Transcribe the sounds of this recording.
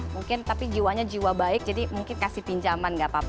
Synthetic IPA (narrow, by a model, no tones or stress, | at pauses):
muŋkɪnt̪apid͡ʒiwaɲad͡ʒiwabaɪk̚d͡ʒadimuŋkɪnkasɪhpiɲd͡ʒamanŋɡaʔpap